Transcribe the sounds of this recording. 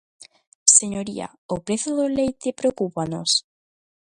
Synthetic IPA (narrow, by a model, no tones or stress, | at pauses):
seɲoɾia̰ | opɾeθoðolejt̪epɾeokupanos